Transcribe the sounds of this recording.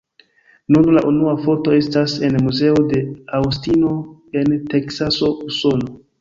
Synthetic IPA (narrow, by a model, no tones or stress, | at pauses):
nunlaʔunuafo̞to̞e̞stase̞nmuze̞ode̞awstino̞e̞nte̞ksaso̞uso̞no̞